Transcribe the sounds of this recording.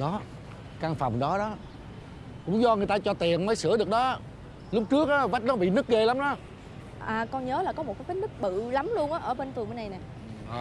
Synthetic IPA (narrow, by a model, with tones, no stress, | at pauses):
ɗɔ˨˦ | kaː˧ŋfa˨˩wŋ͡mɗɔ˨˦ɗɔ˨˦ | kʊ̰˧˥ŋ͡mzɔ˧ŋɨ˨˩əjt̪aː˧t͡ɕɔ˧t̪i˨˩ənməː˨˦jsɨ˧˩əɗɨ˨˩ək̚ɗɔ˨˦ʔaː˦ | lu˦˥k͡p̚t͡ɕɨ˦˥ək̚aː˨˦va˦˥t̚nɔ˨˦ɓḭ˧˨nɨ˦˥k̚ɣe˧la˨˦mɗɔ˨˦ | ʔaː˨˩kɔ˧nɲəː˨˦laː˨˩kɔ˨˦mo˨˩t̚kaː˨˦fəː˨˦nɨ˦˥k̚ɓɨ̰˧˨la˨˦mlu˧ənʔaː˨˦ʔəː˧˩ɓe˧nfmə˨˦na˧jnɛ˨˩˨